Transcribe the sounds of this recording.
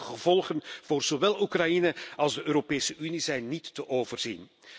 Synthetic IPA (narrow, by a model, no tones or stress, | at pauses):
ɣəv̥ɔlˠχənv̥oːrz̥oʋɛlˠukrajinəɑlˠzdəʔøːɾopeːsəʔynizɛjnːitːəʔoːvərz̥ḭn